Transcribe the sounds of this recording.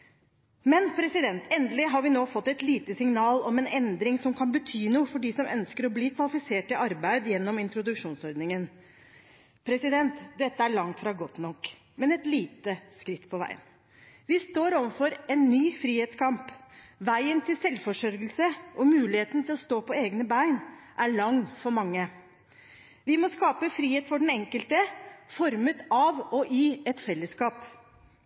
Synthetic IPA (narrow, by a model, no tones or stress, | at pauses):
mɛnpʰɾɛsɪd̪ɛnt̪ɛnd̪əlɪɦɑɾʋɪnoːfɔt̪ːɛt̪liːt̪əsɪŋnɑːlɔmɛnɛnd̪ɾɪŋsɔmkʰɑnbət̪ʰyːnuːəfɔɖiːsɔmʔœnskəɾɔbliːkʰʋɑlɪfɪseːʈɪʔɑɾbæɪd̪jɛnːɔmɪnt̪ɾʊd̪ʉkʂuːnsɔɾd̪nɪŋən | pʰɾɛsɪd̪ɛnt̪d̪ɛt̪ːəæɭɑŋt̪fɾɑɡɔt̪nɔkː | mɛnɛt̪liːt̪əskɾɪt̪ːpʰɔʋæ̰ɪə̰n | ʋɪst̪oːɾɔʋəfɔɾɛnːyːfɾiːheːt̪skʰɑmpʋæɪənt̪ʰɪlsɛlfɔʂœɾɡəlsəʔɔmʉːlɪheːt̪nt̪ʰɪlɔst̪oːpɔeːɡnəbæɪnʔæɭɑŋːfɔɾmɑŋːə | ʋɪmɔskɑːpəfɾiːheːt̪fɔɖɛn̩ɛŋkəlt̪əfɔɾmət̪ɑʋɔʔɪɛt̪fɛlːəskɑːp